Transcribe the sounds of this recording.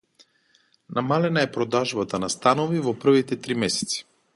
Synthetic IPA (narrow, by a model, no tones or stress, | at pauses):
namalɛnaɛpɾɔd̪aʒbat̪anast̪anovivɔpr̩vit̪ɛt̪ɾimɛsɛ̥t̪si̥